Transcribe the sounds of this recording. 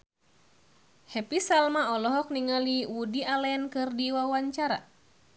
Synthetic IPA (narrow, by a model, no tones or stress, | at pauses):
hɛpisalmaɔlɔɦɔk̚niŋaliwudialɛnkɨrdiwawaɲt͡ʃaɾa̰